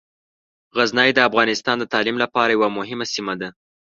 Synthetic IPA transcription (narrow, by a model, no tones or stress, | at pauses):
ɣaznɑjd̪əafɣɑnɪst̪ɑnd̪ət̪ɑlimlapɑɾajawamʊɦɪmasimad̪a